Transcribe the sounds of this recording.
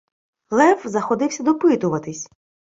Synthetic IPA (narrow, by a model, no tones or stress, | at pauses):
lˠɛfzɐxɔd̪ɪwsʲɐd̪ɔpɪt̪ʊʋɐt̪ɪsʲ